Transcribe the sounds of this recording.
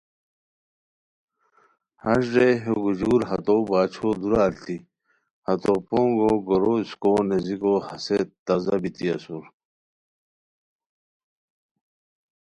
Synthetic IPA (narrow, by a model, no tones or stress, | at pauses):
hɐʂɖeɦoɡud͡ʑuːɾɦɐt̪obaːt͡ɕʰod̪uɾaːɾt̪i | hɐt̪opoːŋɡoɡoɾoskoːnezikohɐset̪t̪ɐzɐbit̪iɐsuɾ